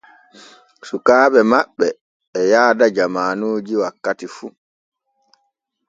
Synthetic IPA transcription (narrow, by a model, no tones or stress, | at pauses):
sukaːɓɛmaɓːɛː | jaːdad͡ʒamaːnoːd͡ʒiwakːatifu